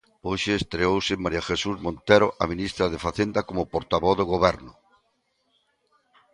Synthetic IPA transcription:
oʃeːst̪ɾeowsɪmaɾiaxesuzmõnt̪eɾoʔaminist̪ɾaðefaθend̪akomʊpoɾt̪aβɔðoɣoβɛɾnʊ

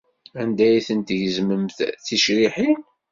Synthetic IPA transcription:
ænd̪æjiθənt̪jəzməmθθiʃɾiħin

